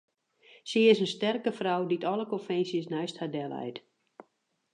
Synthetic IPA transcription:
siɪsənstɛrkəfrawditʰɔləkonfɛnsjəsnɛɥsthadɛlˠɛ̰jt

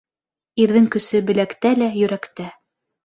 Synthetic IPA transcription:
iɾðɘŋkɵ̆sɘbɘ̆lækt̪ælæjɵ̆ɾækt̪æ

